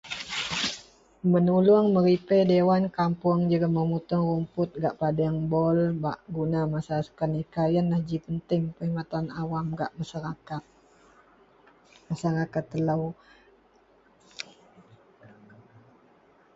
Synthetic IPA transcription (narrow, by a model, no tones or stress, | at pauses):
mənulʊŋməɾipejdewankampʊŋd͡ʒuɡaməmut̪ʊŋrumpʊt̪̚ɡaʔpadaŋbɔlba̰ʔɡunamasaasu̥kanikajanlahd͡ʒipənt̪ɪŋpəimat̪anawamɡaʔmasaɾakat̪̚ | masaɾakat̪ːələw